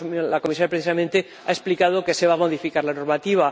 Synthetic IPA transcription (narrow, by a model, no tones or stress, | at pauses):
lako̞misaɾjapɾeθisamẽnt̪e | a̰e̞splikað̞o̞ke̞se̞βamo̞ðifikaɾlano̞ɾmat̪iβ̞a